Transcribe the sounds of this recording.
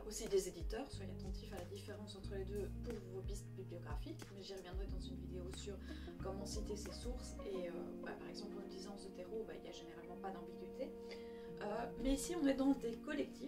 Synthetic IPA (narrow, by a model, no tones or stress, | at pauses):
osid̪ezed̪it̪œːʁswajat̪ɑ̃t̪ʰifalad̪ifeʁɑ̃sɑ̃t̪χəled̪øpuʁvobist̪biblijɔɡʁafikmɛʒiʁəvjɛ̃d̪ʁɛd̪ɑ̃zynvid̪eosyʁ | kɔmɑ̃sit̪esesuʁseøwɛ̰paʁɛɡzɑ̃plɑmd̪izɑ̃ɑ̃sət̪eʁoba̰ḭljaʒeneʁalmɑ̃pad̪ɑ̃biɡʲɥit̪ʰe | ømɛisiɔ̃nɛd̪ɑ̃d̪ekɔlɛk̚t̪ʰi